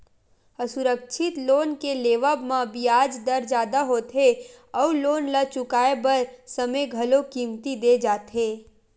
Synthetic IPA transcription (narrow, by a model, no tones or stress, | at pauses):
əsʊɾəkʃʰɪt̪loːnkeleːʋəbmãbiaːd͡ʒd̪ɐɾd͡ʒaːd̪aɦoːt̪ɦeɔːɾloːnlat͡ʃʊkaːebɐɾsəmeɡʱɐlokiːmt̪id̪eːd͡ʒaːt̪ɦeː